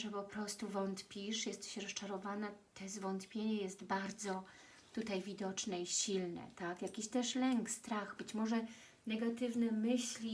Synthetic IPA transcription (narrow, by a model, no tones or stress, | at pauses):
ʐɛpɔpɾɔst̪uvɔnt̪pʲiʂjɛst̪ɕɛɾɔst͡ʂaɾɔvanɛt̪ɛzvɔnt̪pʲjeɲɛjɛst̪baɾd̪zɔ | t̪ut̪ajvʲid̪ɔt͡ʂnɛiɕilnɛ̰t̪akjakʲiɕt̪ɛʂlɛŋkst̪ɾaɣbɘt͡ɕmɔʐɛ | nɛɡat̪ɘvnɛmɘɕlʲi